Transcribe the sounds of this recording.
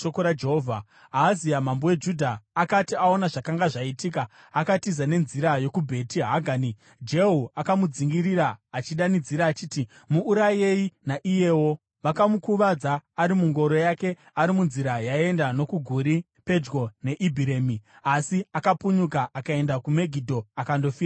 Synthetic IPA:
tokoɾad͡ʒeɦovʱa | aːzijamambowe̞d͡ʒudʱaːkatiao̞naʐakaŋɡaʐaitik̬aː | katizane̞nziɾajo̞kubʱe̞tiɦaɡʱaːni | d͡ʒe̞ɦuakamud͡ziŋɡiriɾaːt͡ʃiɗanid͡ziɾaːt͡ʃiti | muːɾaje̞inaʔije̞wo̞ | ʋakamukuʋad͡zaːɾimuŋɡo̞ɾo̞jake̞ | aɾimunziɾajae̞ndano̞kuɡʱuɾi | pe̞d͡ʒɡo̞ne̞ʔibʱiɾe̞miasiakapuɲuk̬aʔakae̞ndakume̞ɡʱidʱo̞akando̞fiːra

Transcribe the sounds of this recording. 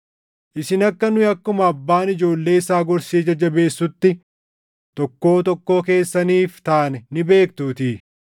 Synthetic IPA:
ʔɪsɪnɐkːɐnʊɐkːʊmɐɐbːaːnɪd͡ʒo̞ːlːe̞ːɪsaːɡɔɾseːd͡ʒɐd͡ʒɐbe̞ːsːʊt̪ːɪ | t̪ɔkːo̞ːt̪ɔkːo̞ːke̞ːsːɐniːft̪aːnɛnɪbe̞ːk̚t̪uːt̪iː

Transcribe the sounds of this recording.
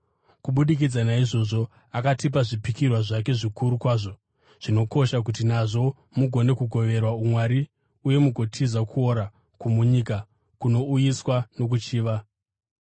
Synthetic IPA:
kuɓuɗikid͡zanaiʐo̞ʐo̞ | akatipaʐipikirwaʐake̞ʐikuɾukwaːʐo̞ | ʐ̥ino̞ko̞ʃak̬ut̬inaʐo̞ | muɡʱo̞ne̞kuɡʱo̞ʋe̞rwaumwaɾi | uje̞muɡʱo̞tʰizakʰuo̞ɾa | kumuɲika | kuno̞ujiswano̞k̬ut͡ʃiːʋa

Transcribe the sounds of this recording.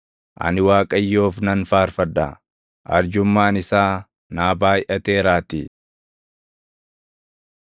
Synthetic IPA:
ʔɐ̰nɪwaːkʼɐjːo̞ːfnɐnfaːɾfɐd̪a̰ | ʔɐ̰ɾd͡ʒʊmːaːnɪsaː | naːbaːjʔɐt̪eːɾaːt̪i

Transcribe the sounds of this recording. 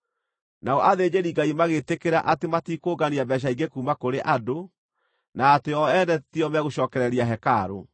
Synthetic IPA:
naɔʔaðeːd͡ʑeɾiɡaimaɣetekeɾaʔatematiːkoɡaniabɛɕ̬aiɡekuːmakoɾeʔado | naːteɔɛndɛtiɔmɛɣoɕɔːkɛɾɛɾiaɦɛkaɾo̰

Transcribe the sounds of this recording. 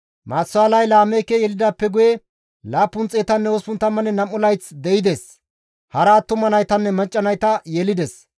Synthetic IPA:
maːsːʊaːlɐjlaːmɛjkɛjɛlɪd̪apːɛɡʊjɛ | laːpːʊnt͡sʼeːt̪ɐnːɛospʊnt̪ːɐmɐnɛnɐmːʊlɐjt͡sd̪ɛjɪd̪es | hɐɾaːt̪ːʊmːɐnɐjt̪ɐnːɛmɐt͡ʃʼːɐnɐjt̪ɐjɛlɪd̪ɛs

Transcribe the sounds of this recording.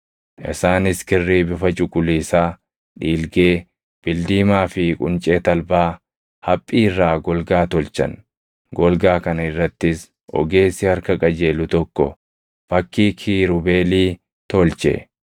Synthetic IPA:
ʔɪ̰saːnɪskɪrːiːbɪfɐt͡ʃʼʊkʼʊliːsaː | ᶑiːlɡeː | b̥ɪld̪iːmaːfɪkʼʊ̰nt͡ʃʼeːt̪ɐlbaː | hɐpʼːiːɪrːaːɡɔlɡaːt̪ɔlt͡ʃɐ̰n | ɡɔlɡaːkɐnɐɪrːɐt̪ːɪs | ʔɔ̰ɡe̞ːsːɪhɐɾkɐkʼɐd͡ʒe̞ːlʊt̪ɔkːɔ̰ | fɐkːiːkʰiːɾʊbeːliː | t̪ɔlt͡ʃɛ̰

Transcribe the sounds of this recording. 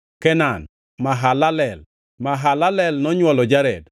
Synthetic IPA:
kɛnan | maɦalalɛl | maɦalalɛlnɔɲwɔlɔd͡ʒaɾɛd

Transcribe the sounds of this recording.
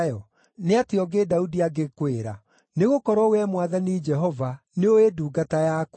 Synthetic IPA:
jɔ | neateɔɡedaudiaɡekweɾa̰ | neɣokɔɾɔwɛmwaðanid͡ʒɛɦɔva | neoeduːɡatajak

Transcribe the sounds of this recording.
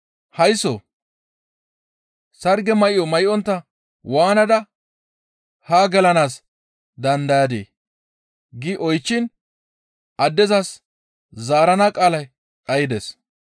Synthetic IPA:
hɐjso̰ | sɐɾɡɛmɐjɪɔmɐjʔɔnt̪ːɐ | waːnɐd̪ɐ | haːɡɐlɐnaːs | d̪ɐnd̪ɐjad̪ḛː | ɡɪʔɔjt͡ʃːɪn | ʔɐd̪ːɛzas | zaːɾɐnaːkʼaːlɐj | kʼɐjɪd̪ɛs

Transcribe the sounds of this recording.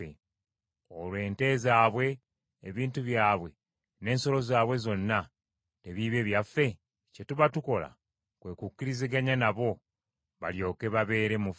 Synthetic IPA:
ḛ | olwe̞ːnte̞ːzaːβwe̞ː | βiːntuβjaːβwe̞ | ne̞ːnso̞lo̞zaːβwe̞zo̞nːa | te̞βiːβe̞βjafːe̞ | ce̞tuβatuko̞la̰ | kwe̞ːkukːiɾiziɡaɲanaβo̞ | βa̰ljo̞ːke̞βaβe̞ːɾe̞muf

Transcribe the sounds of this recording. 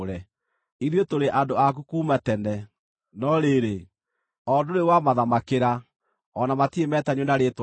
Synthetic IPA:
ɾɛ | iɾjotoɾeʔandoakukuːmatɛnɛ | nɔɾeɾe | ɔdonewamaðamakeɾa | ɔnamatiemɛtaɲwonaɾet

